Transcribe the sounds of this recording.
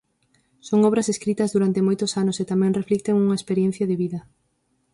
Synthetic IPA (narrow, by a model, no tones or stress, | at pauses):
soŋɔβ̞ɾɐseskɾit̪ɐzðuɾant̪emojt̪ʊsanʊset̪amɛ̃ŋreflik̚t̪eŋuŋɐespeɾjɛ̃n̟θjɐðɪβiðɐ